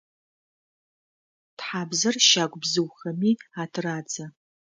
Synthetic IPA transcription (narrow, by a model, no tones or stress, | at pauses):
tħaːbzɐrʃaːɡʷʼbzɨwxɐmiːaːtʰraːd͡zɐ